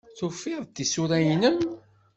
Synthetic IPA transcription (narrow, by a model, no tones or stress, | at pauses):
θufːɪðˤt̪ːisʊɾæjnəm